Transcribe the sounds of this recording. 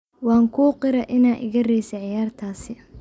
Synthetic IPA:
wɑːŋkʰuːqɪɾɐʔɪnaːɪ̰ɣɐrɛjsɐʕɪjaːrt̪ʰaːsɪ

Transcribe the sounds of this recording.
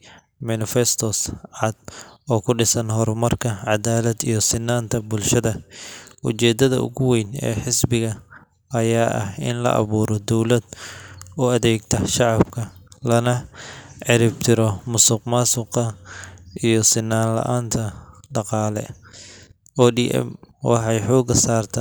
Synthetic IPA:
mɐnɪfɛst̪ʰɔsʕɑd̪̥̚ɔːkʰʊɖɪsɐnɦɔrmɐrkʰɐʕɑd̪aːlɐd̪ijɞsɪnːaːnt̪ʰɐbʊlʃɐðɐʔʊ̰t͡ʃɛːd̪ɐðɐ̰ʔʊ̰ɣʊwɛjnɛ̰ːħɪsbɪɣɐ | ɐjaːʔɐ̰hɪ̰nlɐ̰ʔɑ̰βuːɾɔd̪ɔwlɐd̪ɔːɐðɛːɡt̪ʰɐʃɑʕɑbkʰɐlɐnɐʕɪɾɪbt̪ʰɪɾɔmʊsʊqmaːsʊqɐʔijɔsɪnːaːnlɐ̰ʔaːnt̪ʰɐɖɑqɑːlɛ̰ | ʔɔːɖiʔɛ̰mwɑ̰ħɑjħɔːɡɐsaːrt̪ʰɐ

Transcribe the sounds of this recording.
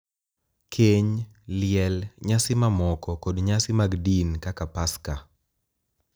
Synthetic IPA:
kʰeɲ | lɪɛlɲasɪmamɔkɔkodɲasɪmaɡdinkakapaska

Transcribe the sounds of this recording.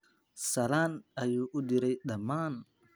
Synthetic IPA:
salanajuʔudiɾɛjɗaman

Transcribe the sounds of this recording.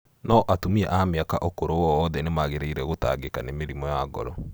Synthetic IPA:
nɔʔatomiɛʔameakaʔokoɾowɔːðɛnemaɣeɾeiɾɛɣota̰ɡekanemeɾimɔjaɡɔ̰ɾɔ

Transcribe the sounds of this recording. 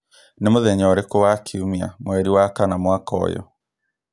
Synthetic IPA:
nemoðɛɲɔɾekowakʰiumia̰mwɛɾiwakanamwakɔ̰jɔ̰

